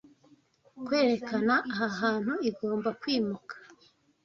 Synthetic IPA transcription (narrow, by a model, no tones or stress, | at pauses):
kwe̞ːɾe̞kanaʔːɦaɦaːn̥huiɡo̞ːmbakwiːmukḁ